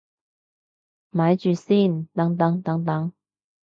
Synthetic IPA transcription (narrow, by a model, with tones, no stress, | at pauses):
maː˨˧˥jt͡ʃyː˨˧siː˥˩nt̪ɐ˨˥ŋt̪ɐ˨˧˥ŋt̪ɐ˨˥ŋt̪ɐ˨˥ŋ